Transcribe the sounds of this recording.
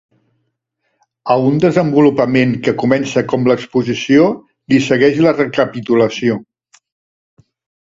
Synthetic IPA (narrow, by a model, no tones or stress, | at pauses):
əund̪əzəmbulupəmeŋkəkumɛnsəkɔmləkspuzisio | lisəɣɛʒlərəkəpit̪uləsio